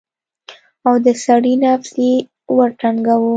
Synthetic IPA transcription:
awd̪əsaɽinaft̪e | waɾʈaŋɡawu

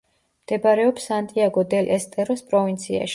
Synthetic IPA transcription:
md̪̥ɛbaɾɛɔpsant̪ʼiaɡɔd̪ɛlʔɛst̪ʼɛɾɔspʼɾɔvint̪sʰia̰ʃ

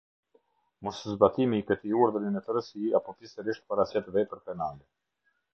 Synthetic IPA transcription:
mɔsəzbat̪imiːkət̪iuɾðəɾinət̪əɾəsiapɔfisɛɾiʃt̪̚paɾasɛt̪vɛpəɾpɛnalɛ

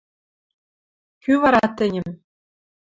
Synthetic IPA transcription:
kʲyʋɑɾɑt̪ɘ̆nʲɘ̆m

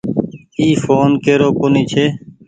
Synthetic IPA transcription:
iːfoːnkeːɾoːkoniːt͡ʃʰeː

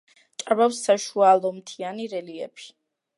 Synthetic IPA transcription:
t͡ʃʼabafsːaʃualˠɔmt̪ʰianiɾɛliɛpʰi̥

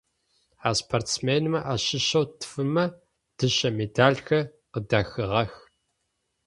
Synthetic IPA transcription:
aːspʰoːrtsmeːnɨmɐʔaːɕɪʃɐwtʰfɨmɐ | d̥ɨɕɐmeːdaːɮxɐ | qədaːxɨʁɐx

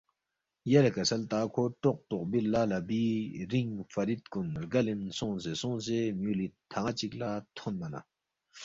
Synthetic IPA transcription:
jalakasʰalt̪akʰoʈ͡ʂoʔ̚t̪oʔ̚bilːalabiriŋfaɾit̪̚konrɡalensoŋzesoŋsemulit̪ʰaŋat͡ɕik̚lat̪ʰonmana̰

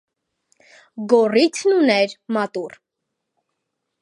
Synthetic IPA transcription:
ɡɔrit̪ʰnunɛɾmɑt̪ur

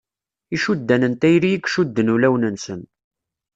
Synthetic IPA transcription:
iʃud̪ːænənt̪æjɾijikʃud̪ːənulæwnənsən

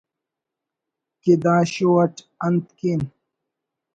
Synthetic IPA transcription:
kid̪ãːɕowɐʈ | ɐnt̪kin

